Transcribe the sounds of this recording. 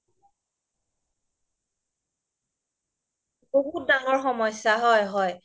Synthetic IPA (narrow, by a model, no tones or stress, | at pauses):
boɦut̚daŋɔɹxɔmɔjsaɦɔjɦɔj